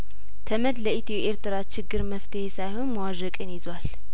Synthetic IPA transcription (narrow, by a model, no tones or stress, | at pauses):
t̪ʰəməd̪ləʔit̪ʰjɛʔeɾt̪ʰɨɾat͡ʃɪɡːɨɾməft̪ʰəhesajhonmawaʒəkʼɨnjizwal